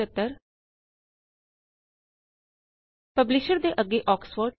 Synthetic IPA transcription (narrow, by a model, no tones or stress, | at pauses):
ət̪ːəɾ | pəblɪʃəɾd̪eʔəɡeʔɔːksfɔːɾɖ